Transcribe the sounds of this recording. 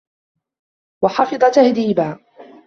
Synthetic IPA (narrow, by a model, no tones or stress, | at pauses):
wɑħɑfɨd̪ˤɑt̪ahd̪iːbaː